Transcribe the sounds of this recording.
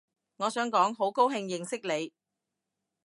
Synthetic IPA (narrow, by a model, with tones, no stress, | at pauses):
ŋɔː˨˧sœː˨˥ŋkɔː˨˥ŋɦo˨˥wko˥wɦɪ˧ŋjɪ˨ŋsɪ˥k̚le˨˧j